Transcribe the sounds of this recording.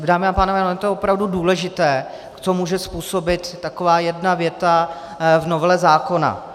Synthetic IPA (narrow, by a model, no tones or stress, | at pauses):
daːmɪapaːnovɛːloɛt̪oopɾavduduːlɛʒɪt̪ɛː | kt͡somuːʒɛspuːso̞bɪt̪ːakovaːjɛdnavjɛt̪a | vnovɛlɛzaːko̞na̰